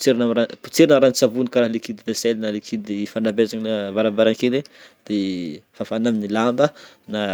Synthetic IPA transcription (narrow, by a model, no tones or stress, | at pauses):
t͡seɾinamɾapu̥t͡seɾinəɾant͡savunikaɾaɦlekid̪ineselnalekʰid̪ifanabezaɲlavaɾambaɾaŋkele | d̪̥efafanaminilambə | na